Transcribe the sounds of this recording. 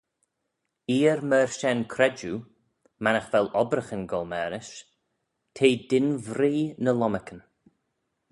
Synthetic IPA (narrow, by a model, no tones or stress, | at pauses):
iːɾməɹʃɛnkʰɾɛd͡ʒu | manəxvɛlɔbɾəxənɡɔlmɛːɾɪʃ | tʰeːdɪnvɾiːnəlɔməkən